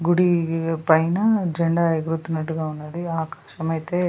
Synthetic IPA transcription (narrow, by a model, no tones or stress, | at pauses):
ɡuɽipɐjnɐd͡ʒɐɳɖaɐɡɾut̪unɐʈuɡɐunːɐd̪iaːkḁːʃɐmɐjt̪e